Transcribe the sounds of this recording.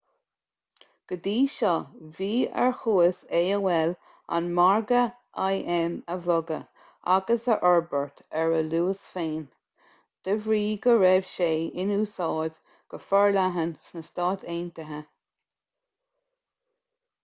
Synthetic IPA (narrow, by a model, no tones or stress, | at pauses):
ɡ̥əd̪iːʃɔviːɛ̰ɹxuːəseːəwɛl | a̰nmaɹɡə | ʔajʔɛməvɔɡə̰ | a̰ɡəsəʔɔɹbəɹt̪ʰɛɹəluːəsfeːn | d̪̥əvɹiːɡəɹɛv̥ʃeːɪnuːsɑːd̪ | ɡ̥əfɔɹlaɦənsnəst̪ɑːt̪ʰeːnt̪əɦə